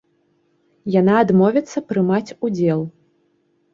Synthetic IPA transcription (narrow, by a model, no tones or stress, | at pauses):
janaːd̪mɔvʲɛt̪sːɐpɾɨmat͡sʲud͡zʲɛlˠ